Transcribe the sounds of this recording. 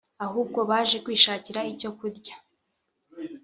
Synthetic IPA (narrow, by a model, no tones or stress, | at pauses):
ahuːb̚ɡo̞βaːʒe̞kwiːʃaːciɾaico̞kuɾɟḁ